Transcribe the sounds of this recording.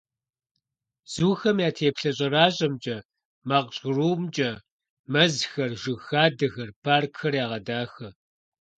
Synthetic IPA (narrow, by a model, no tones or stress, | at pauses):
z̥uːxɐmjaːtʰeːpɬɐɕ̬ʼɐraːɕʼɐmt͡ʃʼɐ | maːqɕʼruːmt͡ʃʼɐ | mɐzxɐrʒɨxaːdɐɣɐrpʰaːrkʰːɐrjaːʁɐdaːxɐ